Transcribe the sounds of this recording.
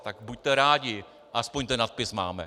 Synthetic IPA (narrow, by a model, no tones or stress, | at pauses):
t̪akbuc̚ʲt̪ɛɾaːɟɪ | ʔaspoɲt̪ɛnːat̪̚pɪsma̰ːmɛ̰